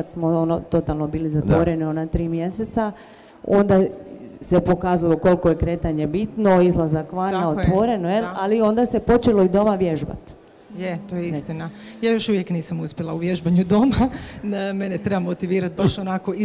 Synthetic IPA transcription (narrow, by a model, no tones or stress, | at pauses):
kad̪smo̞onot̪o̞t̪alˠno̞biːlizat̪ʋo̞ɾe̞nionat̪ɾiːmje̞se̞t̪sa | o̞nd̪asepo̞kaːzalˠo̞ko̞lko̞je̞kɾe̞ːt̪aɲe̞bit̪no̞izlˠazakʋannaot̪ʋo̞ɾe̞nojelalio̞nd̪asepo̞t͡ʃe̞lo̞id̪o̞maʋje̞ʒba̰t̪ | jet̪ojeist̪ina | jaːjo̞ʃuʋjekniːsamuspʲjelˠauʋjeʒbaɲud̪o̞ma | menet̪ɾebamot̪iʋiːɾat̪̚baʃonakoi